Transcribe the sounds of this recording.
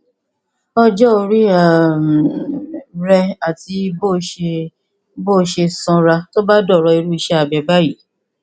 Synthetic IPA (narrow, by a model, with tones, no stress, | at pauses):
ɔ˧d͡ʒɔ˦o˧ɾi˦a˨m˨ | ɾɛ˧a˨ti˧bo˦˨ʃe˧ | bo˦˨ʃe˧sɔ̃˧ɾa˧to˦ba˦dɔ˦˨ɾɔ˧i˧ɾu˦i˧ʃɛ˦a˨bɛ˧ba˦ji˦˨